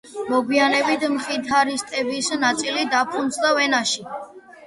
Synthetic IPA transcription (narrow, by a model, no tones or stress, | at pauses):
mɔɡwianɛbit̪ʰmχit̪ʰaɾist̪ʼɛbisnat̪sʼilid̪apʰund̪sʰd̪avɛnaʃi